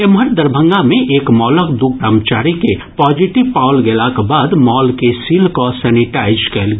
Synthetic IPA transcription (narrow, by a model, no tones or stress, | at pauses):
emɦəɾd̪əɾbʱə̃ŋɡamẽʔeːkmɔːləkd̪uɡɾaːmt͡ʃaːɾikepɔːd͡ʒiʈɪʋpaːʊlɡelakbaːd̪mɔːlkesiːlkosɛːnɪʈaːɪd͡ʒkɛːlɡ